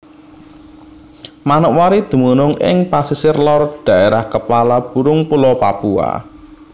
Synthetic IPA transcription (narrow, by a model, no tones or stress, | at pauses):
manəʔwaɾid̪̥ṳmunʊŋɪ̰ŋpasisɪrlɔrd̪̥ä̤ʔeɾahkəpalab̥ṳɾʊŋpulɔpapua̰